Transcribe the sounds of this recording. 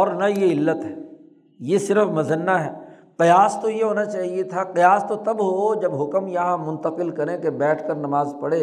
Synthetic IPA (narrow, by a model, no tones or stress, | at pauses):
ɔːɾnajeɪlːət̪ɦɛː | jesɪɾəfmɐzənːaɦɛː | qɪjaːst̪ojeɦoːnat͡ʃaːɦiet̪ʰaqɪjaːst̪ot̪ɐbɦod͡ʒɐbɦʊkəmjɐɦãmʊ̃nt̪əqɪlkɐɾẽkebɛːʈʰkɐɾnɐmaːzpɐɽeː